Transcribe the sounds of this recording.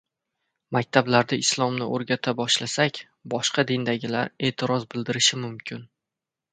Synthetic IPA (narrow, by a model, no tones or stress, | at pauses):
mak̚ʲt̪ʰablaɾd̪aɪslˠɒmnɪoɾɡʲat̪ʰabɒʃlasakʲ | bɒʃqɑd̪ind̪aɡʲɪlaɾe̞ːt̪ʰɪɾɒzbɪld̪ɪɾɪʃɪmʊmkʲʰɪn